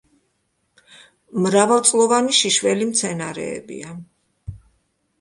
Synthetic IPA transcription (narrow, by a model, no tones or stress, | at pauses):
mɾavalˠt̪sʼlˠɔvaniʃiʃvɛlimt̪sʰɛnaɾɛ̰ːbḭa